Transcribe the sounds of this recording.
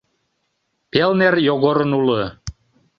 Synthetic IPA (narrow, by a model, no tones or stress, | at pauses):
pelnerjoɣoɾə̆nulə̆